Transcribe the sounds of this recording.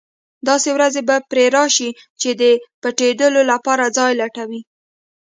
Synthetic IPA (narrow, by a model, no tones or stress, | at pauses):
d̪ɑsewɾazebapɾeɾɑʃi | t͡ʃed̪əpaʈed̪əlolapɑɾad͡zɑjlaʈawi